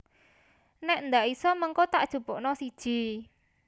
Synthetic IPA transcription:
nɛʔnd̪aʔisɔməŋkot̪aʔd̥ʒ̥ṳb̥ɔʔnɔsid̥ʒ̥i̤

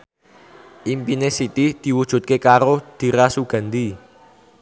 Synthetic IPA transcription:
ʔimpinesit̪id̪̥i̤wud̥ʒ̥ṳt̪̚kekaɾod̪̥i̤ɾasuɡ̥a̤nd̪i

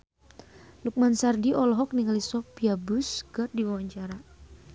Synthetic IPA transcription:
luk̚mansardiʔɔlɔɦɔk̚niŋalisɔfiabʊsɡər̚diwawaɲt͡ʃaɾa

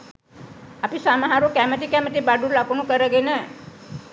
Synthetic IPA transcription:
apisamaɦaɾukæmət̪ikæmət̪ibaɖulakunukəɾəɡenə

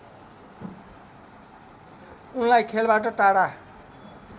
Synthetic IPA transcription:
unlajkʰelbaʈʌʈaɽa

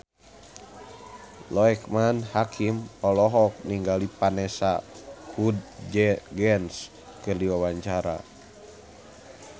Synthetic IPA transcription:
lɔɛkmanhakʰimɔlɔɦɔk̚niŋɡalipanɛsakʰud̚d͡ʒɡɛns | kərliwawaɲt͡ʃaɾa̰

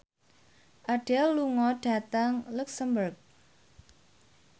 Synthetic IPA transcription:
ʔaɖ̥ɛlːuŋɔɖ̥ä̤t̪aŋluksəmbərk̚

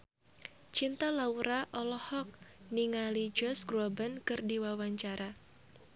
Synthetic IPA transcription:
t͡ʃint̪alauɾaʔɔlɔhɔk̚niŋalid͡ʒɔsɡɾabənkɨrdiwawaɲt͡ʃaɾʔa

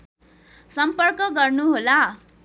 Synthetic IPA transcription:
sʌmpʌrkʌɡʌrnuɦola

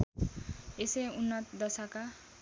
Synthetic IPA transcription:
eseunːʌt̪d̪ʌsʌka

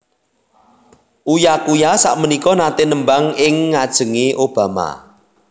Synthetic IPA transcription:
ʔujakujasa̰ʔmənikɔnat̪enəmbaŋɪŋːad̥ʒ̥ə̤ŋeʔob̥a̤ma̰

